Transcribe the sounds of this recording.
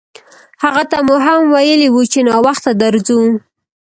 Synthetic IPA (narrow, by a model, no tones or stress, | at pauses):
haɣat̪amuɦamwajəliwut͡ʃenɑwaxt̪ad̪aɾzu